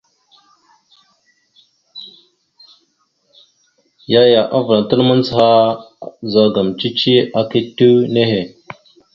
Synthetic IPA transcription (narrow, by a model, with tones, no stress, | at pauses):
ja˦ja˨ʔa˦və˨la˨tə˦lmə˦nt͡sha˦ | za˦ɡa˨mt͡ʃi˦t͡ʃi˦a˦ki˦tːu˦ne˦he˨